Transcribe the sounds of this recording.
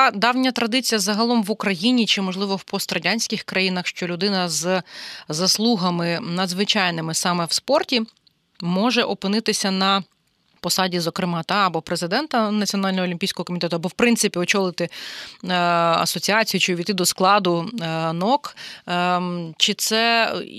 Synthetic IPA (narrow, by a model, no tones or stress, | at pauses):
d̪ɑwnʲɐt̪ɾɐd̪ɪt͡sʲijɐzɐɦɐlˠɔmʋʊkɾɐjinʲit͡ʃɪmɔʒlˠɪʋɔwpɔst̪rɐdʲanʲsʲkʲɪxkɾɐjinɐxʃt͡ʃɔlʲʊd̪ɪnɐz | zɐslˠuɦɐmɪnɐd̪zʋɪt͡ʃɑjnɪmɪsɑmɛwspɔrtʲi | mɔʒɛʔɔpɪnɪt̪ɪsʲɐnɐ | pɔsɑdʲizɔkɾɪmɑt̪ɑɐbɔpɾezɪd̪ɛnt̪ɐnɐt͡sʲiɔnɑlʲnɔɦɔlʲimʲpʲijsʲkɔɦɔkɔmʲɪt̪ɛt̪ʊɐbɔwpɾɪnsɪpʲiɔt͡ʃɔlˠɪt̪ɪ | ɐ̰sɔt͡sʲiɑt͡sʲijʊt͡ʃɪʋʲit̪ɪd̪ɔsklˠɑd̪ʊnɔk | t͡ʃɪt̪sɛ